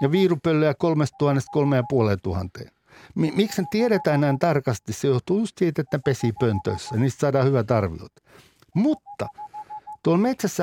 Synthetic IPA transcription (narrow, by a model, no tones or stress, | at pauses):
jɑʋiːrupølːøjækolmest̪tuhɑnːest̪̚kolmejjɑpuoleːt̪uhɑ̰nt̪ḛːn | mimiksnet̪ieɾet̪æːnnæint̪ɑrkɑst̪issejoht̪uːjust̪siːt̪et̪nepesiːpønt̪ø̰isːæniːst̪sɑːdɑːhyʋæt̪ɑrʋḭo̰t̪ | mut̪ːɑt̪uolmet̪sæsːæ